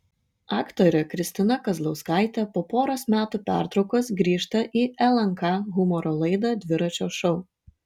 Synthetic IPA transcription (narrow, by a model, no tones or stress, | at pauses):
ɑːkt̪oːɾʲɛkɾʲɪsʲt̪ʲɪnɐkɐzlˠɒʊskɑˑɪt̪ʲɛpoːpoːɾɐsmʲæːt̪uːpʲæ̰ˑɾt̪ɾɒʊkoːsɡɾʲiːʃt̪ɐʔiːʔɛlˠɐŋkɑɣʊmɔɾoːlˠɐɪd̪ɐd̪ʲʋʲɪɾɐt͡ʃʲoːʃɔʊ